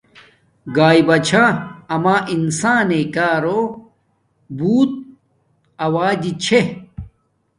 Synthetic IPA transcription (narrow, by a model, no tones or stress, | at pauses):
ɡaːibɐt͡ɕʰaɐmaːʔinsaːnekaːɾo | buːt̪̚ | ɐwaːd̪it͡ɕʰe